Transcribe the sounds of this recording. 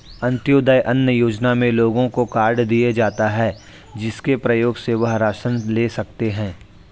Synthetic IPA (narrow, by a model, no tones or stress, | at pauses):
ɐ̃nt̪joːd̪əjʔɐnjəjoːd͡ʒnamẽloːɡõkokaːɾɖd̪ied͡ʒaːt̪aɦɛː | d͡ʒɪskepɾɐjoːɡseʋɐɦɾaːʃənleːsɐk̚t̪eɦɛ̃ː